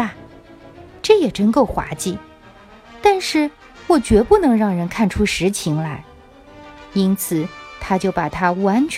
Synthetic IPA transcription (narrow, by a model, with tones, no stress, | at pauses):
ʈ͡ʂɤ˥˩jɛ˨˩ʈ͡ʂə˥nko˥˩ʊxwa̰˧˥t͡ɕi˥˩ | t̪a˥˧nʂɻ̩˥˩ | wɔ˨˩t͡ɕɥɛ˧˥pu˥˩nɤ˧˥ŋɻɑ˥˩ŋɻə˧˥nkʰa˥˩nʈ͡ʂʰu˥ʂɻ̩˧˥t͡ɕʰi˧˥ŋla˧˥ | i˥nt͡sʰɹ̩˨˩˦t̪ʰa˥t͡ɕjo˥˩ʊpa˨˩t̪ʰa˥wa˧˥nt͡ɕʰ